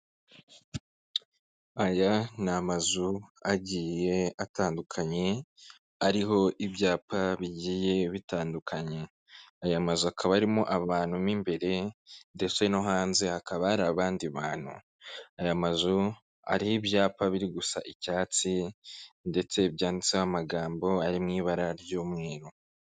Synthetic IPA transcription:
ajanamazuaɟiːje̞ataːndukʰaɲe̞ | aɾiɦo̞ʔibjaːpʰaβiɟiːje̞βitaːndukʰaɲe̞ | ajamazuakʰaβaɾimoʔaβaːn̥humiːmbe̞ɾe̞nde̞t͡se̞no̞ɦaːnze̞hakaβaɾaːβaːndiβaːn̥hṵ | ajamazu | a̰ɾihibjaːpaβiɾiɡusa̰ʔicaːt͡si | nde̞t͡se̞bjaːndit͡siamaɡaːmbo̞aɾimŋiːβaɾaɾjuːmŋe̞ːɾo

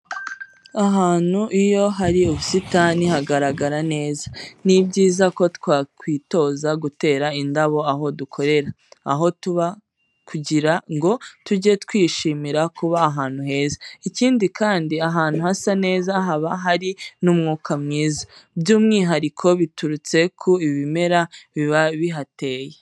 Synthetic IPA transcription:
aɦaːn̥huʔijo̞ɦaɾiuβusitaːnihaɡaɾaɡaɾane̞ːzḁnibɟiːzako̞twaːkwiːto̞ːzaɡute̞ːɾaindaβo̞aɦo̞dukʰo̞ɾe̞ɾa̰ː | ɦo̞tuβa | kuɟiɾaŋɡo̞tuɟetkwiːʃiːmiɾakuβaːɦaːn̥huɦe̞ːzaiciːndikaːndiaɦaːn̥huhasane̞ːzaɦaβaɦaɾinuːmŋuːkʰamŋiːzḁbɟuːmŋiːɦaɾikʰo̞βituɾut͡se̞kʰuiβime̞ɾaβiβaβiɦate̞ːje

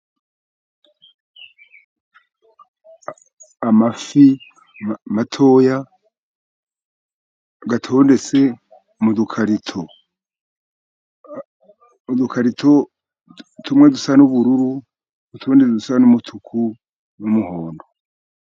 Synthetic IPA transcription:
mafi | matʰo̞ːja | ɡatʰo̞ːnde̞t͡se̞ | mudukʰaɾitʰo | udukʰaɾitʰo̞ | tʰumŋedusanuβuɾuɾu | dutʰoːndet͡sedusanumutʰukʰu | numuhoːndo

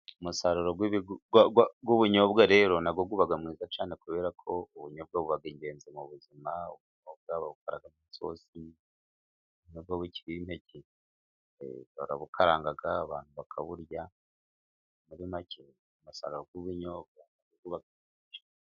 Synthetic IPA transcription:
umusaɾuɾoɡwiβiɡɡwɡwuβuɲo̞bɡaɾe̞ːɾo̞nabɡoɡuβaɡamŋiːzat͡ʃaːne̞kuβe̞ːɾakʰo̞uβuɲob̚ɡaβuβaɡiɲɟe̞ːnzemuβuzimauβuɲob̚ɡaβaβukʰaɾa̰ɡamiso̞̰si | βuɲob̚ɡawici̥βwiːmhecḭ | βaɾaβukʰaɾaːŋɡaɡaːβa̰ːn̥huβakʰaβuɾja | muɾimacʰe | umusa̰ɾuɾoɡwuβuɲoːb̚ɡanaɡoɡuβaɡamiʒḁ

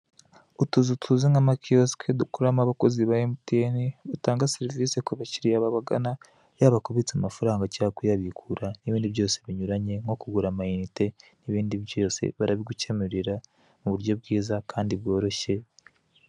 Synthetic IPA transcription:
utuzutʰuziŋamakʰioskʰedukuɾamaβako̞ziβajemuteniβutaːŋɡaseɾiviːsekuβaciɾijaβaβaɡana | jaβakoβit͡samafaɾaːŋɡacakujaβikʰuɾaniβiːndiβjo̞ːse̞βiɲuɾaɲe̞ŋɡo̞kuɡuɾamainite̞niβiːndiβjo̞ːse̞̰βaɾaβiɡuce̞meɾiɾa | muβuɾjo̞bɡiːzakʰaːndiβɡo̞ːɾo̞ʃe̞

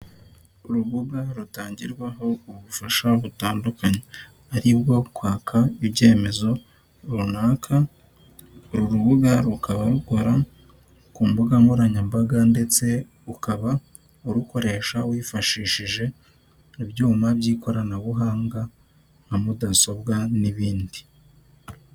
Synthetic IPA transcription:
uɾuβuɡaɾutaːɲɟiɾɡwaɦo̞uβufaʃaβutaːndukaɲe | aɾiβɡo̞kwaːkʰaibɟe̞ːme̞zo̞ | ɾunaːkʰa | ɾuɾuβuɡaɾukaβaɾuko̞ɾa | kuːmbuɡamuɾaɲambaɡande̞t͡se̞ | ukaβa | uɾuko̞ɾe̞ːʃawiːfaʃiʃiʒe̞ | iβɟuːmaβɟiːkʰo̞ɾanaβuɦaːŋɡa | hamudaso̞bɡaniβiːndi̥

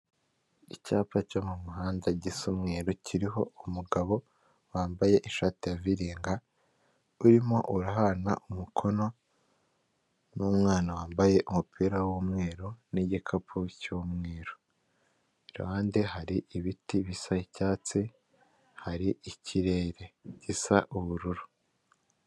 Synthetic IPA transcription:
icaːpacomumuɦaːndaɟisumŋe̞ːɾocʰiɾiɦo̞umuɡaβo̞ | waːmbaje̞ʔiʃaːtejaviɾiːŋɡa | uɾimo̞̰ʔuɾaɦana̰ʔumukʰo̞no | nuːmŋaːnawaːmbaje̞ʔumupʰiːɾawuːmŋe̞ːɾoniɟikʰapʰucoːmŋe̞ːɾo | iɾa̰waːndeɦaɾiʔiβitiβisaicaːt͡se | haɾiicʰiɾe̞ːɾe̞ɟisaʔuβuɾuɾu̥

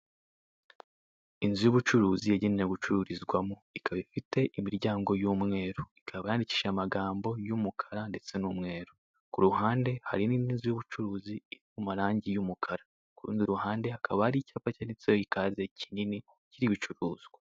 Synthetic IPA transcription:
inzijuβut͡ʃuɾuːzijeɟinineɡut͡ʃuɾuɾizɡwamoikʰaβaifite̞ʔimiɾɟaːŋɡo̞juːmŋe̞ːɾoikʰaβajaːndici̥ːʃamaɡaːmbo̞jumukʰḁɾande̞t͡se̞numŋe̞ːɾo | kuɾuɦaːnde̞ha̰ɾiniinzijuβut͡ʃuɾuːziiɾimumaɾaːɲɟijumukʰaɾa | kuɾṵːndiɾuɦaːnde̞hakʰaβahaɾicaːpacanisojoikaːzecʰinini | ciɾiβit͡ʃuɾuːz̥ɡwa

